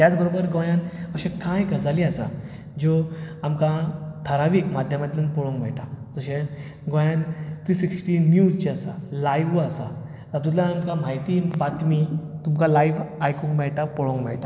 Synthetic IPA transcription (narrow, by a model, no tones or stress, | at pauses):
t̪jat͡sbəɾobəɾɡojãnəɕẽkãjɡʱəd͡zaliasa̰ | d͡ʑoamkãt̪ʰəɾaʋiːkmad̪ʱjəmat̪ilənpɔɭõŋkm̤ɛ̰ɭʈad͡zəɕe | ɡõjãnt̪ɾiːsiksʈiːnjud͡zt͡ɕiasa̰lajʋuasa̰ | t̪at̪̬ut̪lãamkamajt̪ibat̪mit̪umkãlajʋajkũŋkmɛɭʈapɔɭõŋɡmɛ̰ɭʈa